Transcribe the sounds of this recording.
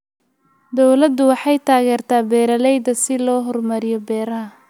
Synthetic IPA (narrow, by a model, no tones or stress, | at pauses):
d̪ɔwlɐd̪ːʊwɑħɑjt̪ʰaːɣɛːrt̪ʰaːbɛːɾɐlɛjd̪ɐsɪlɔːɦɔrmɐɾɪjɔbɛːɾɐɦɐ